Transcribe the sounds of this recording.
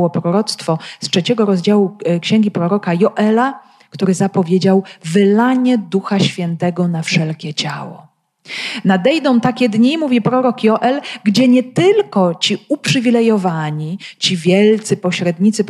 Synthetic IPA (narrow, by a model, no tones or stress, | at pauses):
wɔpɾɔɾɔt̪st̪fɔstʂɛt͡ɕɛɡɔɾɔzd͡ʑawukɕɛŋɡʲipɾɔɾɔkajɔʔɛla | kt̪uɾɘzapɔvʲjed͡ʑawvɘlaɲɛd̪uxaɕfʲjɛnt̪ɛɡɔnafʂɛlkʲɛt͡ɕawɔ̰ | nad̪ɛjd̪ɔ̃w̃t̪akʲɛd̪ɲimuvʲipɾɔɾɔkjɔʔɛlɡd͡ʑɛɲɛt̪ɘlkɔt͡ɕiupʂɘvʲilɛjɔvaɲit͡ɕivʲjɛlt̪sɘpɔɕɾɛd̪ɲit̪sɘp